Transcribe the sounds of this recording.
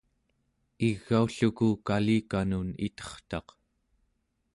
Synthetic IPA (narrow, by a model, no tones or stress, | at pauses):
iɣːauɬukukaliːkanunḭt̪ʌ̥χt̪ɑ̰q